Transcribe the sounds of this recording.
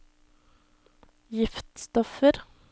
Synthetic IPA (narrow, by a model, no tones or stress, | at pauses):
jɪft̪st̪ɔfəɾ